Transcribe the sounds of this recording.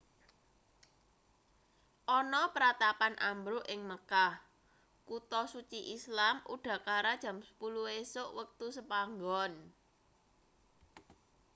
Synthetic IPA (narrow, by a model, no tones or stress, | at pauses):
ʔɔnɔpəɾat̪apanʔambɾʊʔɪŋməkah | kut̪ɔsut͡ʃiʔislamʔṵɖ̥ä̤kaɾad̥ʒ̥a̤msə̥puluesʊʔwək̚t̪usəpaŋɡɔn